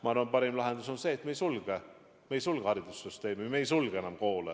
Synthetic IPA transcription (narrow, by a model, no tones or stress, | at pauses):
mɑɑɾompɑɾimlɑɦe̞nd̪uso̞nse̞ːt̪mejsulɡ̥e | mejsulɡ̥ehɑɾid̪usːyst̪e̞ːmimejsulɡ̥ee̞nɑmko̞ːle